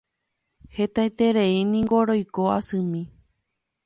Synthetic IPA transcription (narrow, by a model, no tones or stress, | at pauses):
he̞t̪ajt̪e̞ɾeinĩŋɡoɾojkoasɨ̃mĩ